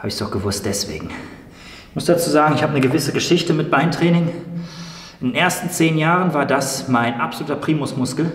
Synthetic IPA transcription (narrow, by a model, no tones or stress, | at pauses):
haːbəɪçsd̥ɔχɡ̥əvʊst̚d̥ɛsv̥ḛːɡŋ̩ | ɪçmʊsd̥at͡suːzaːɡŋ̩ɪçhaːbənəɡəvɪsəɡəʃɪçtəmɪt̚b̥aɪntʁ̥ɛːnɪŋ | ʔɪndeːnʔeːɐstn̩t͡seːnjaːʁ̞ənvaːɐdasmaɪnʔapzoluːtɐpʁ̥iːmʊsmʊskl̩